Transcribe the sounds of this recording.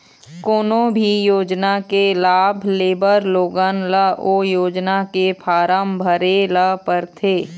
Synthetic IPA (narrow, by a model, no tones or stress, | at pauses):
koːnõbʱijoːd͡ʒnakelaːbʱleːbəɾloːɡənləoːjoːd͡ʒnakepʰaːɾəmbʱəɾeləpəɾt̪ʰeː